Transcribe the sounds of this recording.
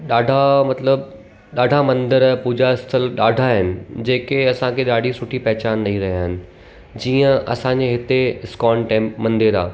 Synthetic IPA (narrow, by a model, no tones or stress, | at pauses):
ɗaːɖʱamɐt̪ləb | ɗaːɖʱamɐ̃nd̪əɾpuːd͡ʑaɪst̪ʰəlɗaːɖʱaɦɪnɪ̆d͡ʑeːkeɐsãkʰeɗaːɖʱisʊʈʰipɐɦɪt͡ɕaːnːɐɦiɾɐɦijaːɦɪnɪ̆ | d͡ʑiːə̃ʔɐ̰sãɲd͡ʑeɦɪt̪eɪskɔːnʈɛ̃ːmpmɐ̃nd̪eɾa̰ː